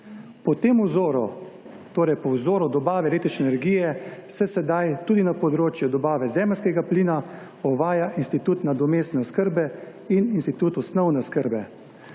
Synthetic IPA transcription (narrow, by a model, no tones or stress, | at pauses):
pɔt̪eːmuzoɾɔ | t̪oːɾɛjpɔwzoːɾɔd̪ɔbaːʋɛleːt̪ɾit͡ʃnɛnɛɾɡiːjɛsɛsɛd̪ajt̪uːd̪inapɔd̪ɾoːt͡ʃjud̪ɔbaːʋɛzɛːməlskɛɡapliːna | ɔʋaːjaʔinst̪it̪uːt̪nad̪ɔmeːst̪nɛɔskəɾbɛ | ininst̪it̪uːt̪ɔsnɔwnɛskəɾbɛ